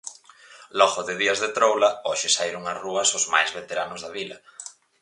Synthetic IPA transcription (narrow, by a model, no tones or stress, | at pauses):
lɔɣʊðɪðiɐzðet̪ɾowlɐɔʃɪsajɾʊŋasruɐsʊzma̰jzβet̪eɾanʊzðɐβilɐ